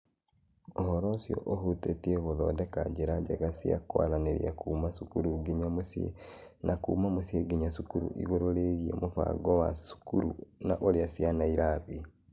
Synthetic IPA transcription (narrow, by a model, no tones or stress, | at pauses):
oɦɔɾɔsiɔ̰ʔoɦotetiɛɣoðɔdɛkad͡ʒeɾaɟɛɣasia̰kwa̰ɾaneɾḭakuːmasukuɾuɡiɲamosḛnakumamosieɡiɲasukuɾṵʔḭɣoɾoɾeɣiḛmofa̰ɡɔwa̰su̥kuɾṵna̰ʔoɾeasianaiɾaβi